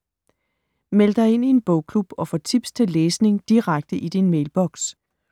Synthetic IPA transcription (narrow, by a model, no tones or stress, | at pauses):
meləd̥ɑ̈ɪe̝n̰ie̝nb̥ɔʊ̰kʰlub̥ɒ̽fɒːt͡sʰib̥st͡sʰe̝lːeːsne̝ŋd̥iʁaɡ̥̚d̥əʔid̥inmeɪlb̥ɒ̽ɡ̥s